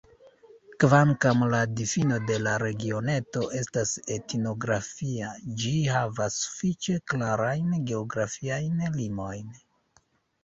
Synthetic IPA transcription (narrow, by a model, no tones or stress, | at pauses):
kvaŋkamladifino̞de̞laɾe̞ɡio̞ne̞to̞ʔe̞stase̞tino̞ɡɾafiad͡ʒihavasːu̥fit͡ʃe̞klaɾajnɡe̞oɡɾafiajnlimo̞jn